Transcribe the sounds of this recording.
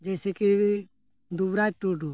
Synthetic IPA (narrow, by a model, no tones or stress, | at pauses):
d͡ʒɛsɛki | d̪ubɾaʈuɖu